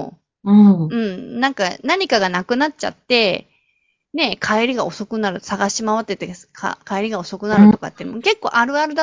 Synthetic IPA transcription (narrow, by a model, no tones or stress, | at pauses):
ɯɯ̟̃ɴnãŋkanaɲ̟ikaɡanakɯ̟natt͡ɕa̰t̪ːe̞ | ne̞kʰaeɾʲiɡao̞so̞kɯ̟naɾɯ̟saɡaɕimaβat̪ːet̪ːekʰa̰kʰaeɾʲiɡao̞so̞kɯ̟naɾɯ̟t̪o̞ka̰t̪ːeinmoke̞kːo̞̰ːʔaɾɯ̟aɾɯ̟d̪a